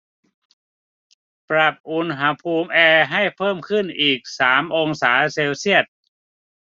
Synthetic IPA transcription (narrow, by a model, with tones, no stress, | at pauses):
pɾa˨˧˩p̚ʔu˧nɦa˦˥pʰuː˧mʔɛː˧ɦa˥˩jpʰɤː˥˩mkʰɯ˥˩nʔiː˨˩k̚saː˩˦mʔo˧ŋsaː˩˦seː˧wsi˥˩ət̪̚